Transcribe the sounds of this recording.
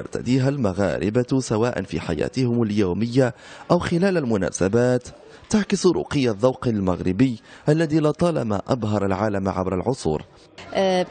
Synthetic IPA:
ɑ̰ɾˤt̪a̰d̪iːɦalmaɣa̰ːɾɪbasawaːʔa̰nfḭːħa̰ja̰ːt̪ɪhʊmaljaːmɪjːaʔawxɪlaːlalmʊna̰ːsabaːt̪ː | aʕkɪsʊɾṵːqɨjːaðˤːɑwqalma̰ɣɾɪbɪjːʔalːaðiːlɑt̪ˤɑːlɑ̰ma̰ʔabɦɑɾˤalʕaːlamʕabɾalʕʊsˤṵːɾ

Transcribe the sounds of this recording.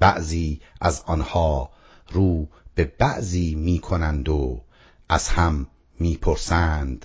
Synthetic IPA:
b̥æ̰ʔziːæzɒːnhɒː | ɾuːb̥ebæʔziːmiːkʰonænd̪o | ʔæz̥hæmː | iːpʰoɾsænd̪̥

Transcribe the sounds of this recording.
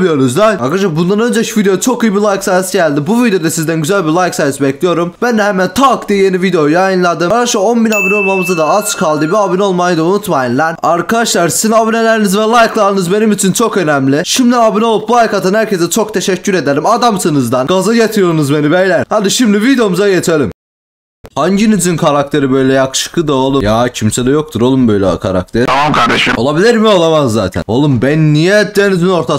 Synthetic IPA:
bɯjonuzd̪ajakaʃabund̪anø̞nd͡ʒɛvid̪et͡ʃʰo̞kɯjibilˠajksajsiɟælʲd̪ibuvid̪ejo̞d̪asizd̪ænɟyzælʲbiɾlˠajksajɛsibɛclʲijo̞ɾumbænd̪ɛhɛmænt̪ʰaːkd̪ije̞nivid̪eo̞jajɯnlˠad̪ɯmkaʃˠao̞nbinabinɛo̞lˠmamɯzad̪aat͡ʃkʰalˠd̪ɯbiabinɛo̞lˠmajɯd̪aunut̪majinlʲɛnaɾkʰad̪aʃlˠaɾsizinabinelʲæɾinizvɛlˠajklˠaɾɯnɯzbe̞nimit͡ʃʰint͡ʃʰo̞kø̞næmlʲiʃimd̪iabino̞lˠup̚buhajkat̪ʰɯnhæɾcʰesɛt͡ʃʰo̞k̚t̪ʰe̞ʃɛcʰːyɾe̞d̪elʲimad̪amsɯnɯzd̪anɡazajat̪ʰijo̞ɾunuzbe̞nibɛjlʲæhad̪iʃimdlivid̪eo̞muzajet̪ʰelʲim | haɲɟinizinkʰaɾak̚t̪ʰe̞ɾibø̞jlʲɛjakʰɯ̥ʃɯ̥kʰɯd̪ao̞lˠujacʰimsɛd̪ɛjo̞k̚t̪ʰuɾo̞lˠumbø̞jlʲɛ̰kʰa̰ɾa̰k̚t̪ʰeɾkaɾd̪aʃo̞lˠabilʲiɾmio̞lˠamazːa̰ːt̪ʰæ̰no̞lˠumbænːijɛd̪enizino̞ɾt̪ʰa

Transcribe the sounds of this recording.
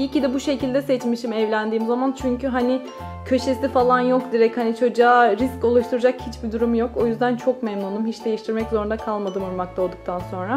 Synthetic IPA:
icid̪ɛbuʃe̞cilʲd̪ɛsɛt͡ʃmiʃimɛvlʲænd̪iːmzamant͡ʃʰyɲcʰyɦanɪ | cʰø̞ʃe̞sifalˠanjo̞kd̪iɾɛchanit͡ʃʰo̞d͡ʒaːɾisco̞lˠuʃt̪ʰuɾad͡ʒakhit͡ʃbid̪uɾumjo̞ko̞jyzd̪ænt͡ʃʰo̞k̚mɛmnunumɦit͡ʃd̪e̞jiʃt̪ʰiɾmɛczo̞ɾund̪akʰalˠmad̪ɯmuɾmak̚t̪ʰao̞lˠd̪uk̚t̪ʰanso̞nɾa

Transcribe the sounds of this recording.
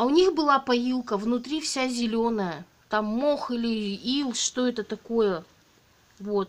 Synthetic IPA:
ɐʊnʲixbɨlˠapɐjilˠkəvnʊt̪ɾʲifsʲazʲɪlʲonəjə | t̪amːoxilʲɪilˠʂt̪o̞ɛt̪ət̪ɐko̞jə | vo̞t̪̚

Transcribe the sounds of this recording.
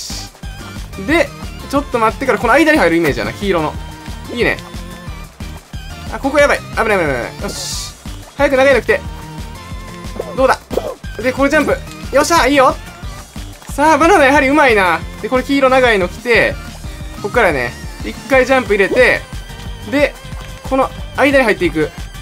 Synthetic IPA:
d̪e̞t͡ɕo̞t̪ːo̞mat̪ːe̞kaɾako̞noaid̪aɲ̟iɦaiɾɯime̞ːd͡ʑija̰na̰kʲiːɾo̞no̞̰iːnḛ̃ | a̰ko̞kojapːaiabɯɾabɯɾabɾa̰joɕ | hajakɯnaɡainoki̥t̪e̞ | d̪o̞ːd̪ad̪e̞ko̞ɾod͡ʑãmpɯ̟joɕaiːjo̞ | saːbananajaɦaɾʲiɯ̟mainad̪e̞ko̞ɾe̞kʲiːɾo̞naɡaino̞kʲi̥t̪e̞ | ko̞kːaɾane̞̰ikːaid͡ʑãmpɯ̟iɾe̞t̪e̞ | d̪e̞ | kʰo̞no̞aid̪aɲiɦait̪ːe̞ik̬ɯ̟

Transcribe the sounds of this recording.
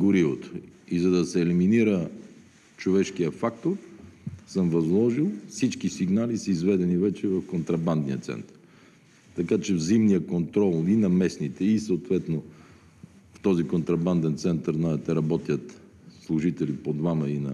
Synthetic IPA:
ɡoɾivot̪o̥izɐd̪ɐsɛːliminiɾə | t͡ʃovɛʃkijəfak̚t̪oɾsəmvɐzlˠɔʒilˠfsit͡ʃkisiɡnalisəizvɛd̪ɛnivɛt͡ʃɛvɐfkont̪ɾɐband̪nijət̪sɛ̰nt̪ə̥ɾ | t̪ɐkat͡ʃɛvzimnijəkont̪ɾɔlˠinɐmɛsnit̪ɛisəʊt̪vɛt̪no | ft̪ɔzikont̪ɾɐband̪ɛnt̪sɛnt̪əɾznaɛt̪ɛɾɐbɔt̪ʲjət̪ | slˠʊʒit̪ɛlipod̪vamɐinɐ̰

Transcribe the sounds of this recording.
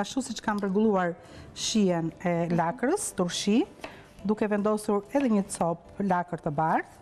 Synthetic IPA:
aʃusit͡ʃə̥kamrɛɡulˠuaɾ | ʃiɛnɛlakɾəst̪uɾʃi | d̪ukɛvɛnd̪ɔsuɾɛðɛɲət͡sɔplakəɾt̪əbaɾt

